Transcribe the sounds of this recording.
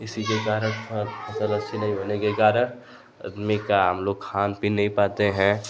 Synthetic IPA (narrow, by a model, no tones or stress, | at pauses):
ɪsikekaːɾəɽʰɐsələt͡ʃʰinɐɦĩɦoːnekekaːɾəɳ | ɐ̰d̪mikaɦə̰mloːɡkʰaːnpinɐɦĩpaːt̪eɦɛ̃